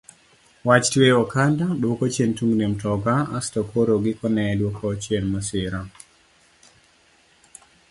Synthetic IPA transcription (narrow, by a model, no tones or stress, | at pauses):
wat͡ʃtweɔkandaɗokɔt͡ʃentuŋɡnemtɔɡaa̰stɔkʰoɾoɡɪkɔnɛlwokʰɔt͡ʃennɔsɪɾa